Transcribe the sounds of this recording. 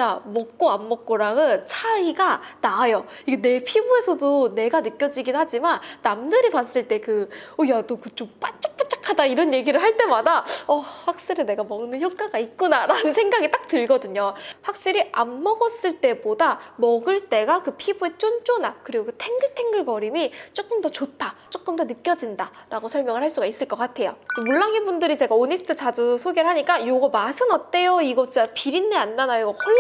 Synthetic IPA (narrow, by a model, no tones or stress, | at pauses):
amʌk̚k͈oamːʌk͈̚oɾaŋɯnt͡ɕʰaiɡanaːjʌ | iɡe̞ne̞pʰibue̞sʰʌdone̞ɡanɯk͈jʌd͡ʑiɡinɦad͡ʑimanːamdɯɾipas͈ɯɭt͈e̞kɯojat͈okɯt͡ɕ͈omp͈at͡ɕ͈ḁk̚p͈at͡ɕ͈ḁkʰadaiɾʌnje̞ɡiɾɯɭɦaɭt͈e̞madaʌɸwak̚ɕ͈iɾine̞ɡamʌŋnɯnçjʌkk͈aɡaik̚k͈unaɾanɯnsʰe̞ŋɡaɡit͈ak̚tɯɭɡʌdɯɲoɸwak̚ɕ͈iɾiʔamːʌɡʌs͈ɯɭt͈e̞bodamʌɡɯɭt͈e̞ɡakɯpʰibue̞t͡ɕ͈ont͡ɕ͈onakɯɾiɡokɯtʰe̞ŋɡɯɭtʰe̞ŋɡɯɭɡʌɾimit͡ɕ͈ok͈ɯmdʌt͡ɕotʰat͡ɕ͈ok͈ɯmdʌnɯk͈jʌd͡ʑinda | ɾaɡosʰʌɭmjʌŋɯɭhaɭs͈uɡais͈ɯɭk͈ʌk͈atʰe̞jo̰tomuɭːaŋibundɯɾit͡ɕe̞ɡaonisʰɯtʰɯt͡ɕad͡ʑusʰoɡeɾɭɦaɲik͈ajoɡʌmasʰɯnat͈e̞joiɡʌt͡ɕiapiɾinːeanːanaiɡʌh